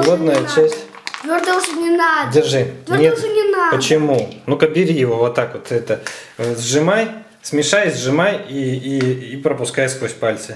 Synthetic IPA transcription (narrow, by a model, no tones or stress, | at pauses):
ɡod̪nəjət͡ɕːæsʲtʲ | t̪vʲord̪əʐɨnʲɪnadʲɪrʐɨnʲenʲɪnapət͡ɕɪmunukɐbʲɪɾʲijɪvovot̪ːakvot̪ɛt̪ə | zʐɨmaj | sʲmʲɪʂajzʲzʲʐɨmajiiːpɾəpʊskajskvosʲpalʲt̪sɨ